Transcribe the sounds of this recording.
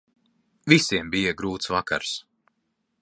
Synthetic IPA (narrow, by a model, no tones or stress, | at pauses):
vʲisiɛmbijaɡɾuːt̪svaka̰ɾs